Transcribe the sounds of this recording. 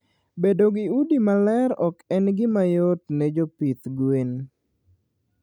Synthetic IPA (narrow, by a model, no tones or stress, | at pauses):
bedoɡɪudimalɛɾɔkɛnɡɪmajot̪nɛd͡ʒopit̪ɡwen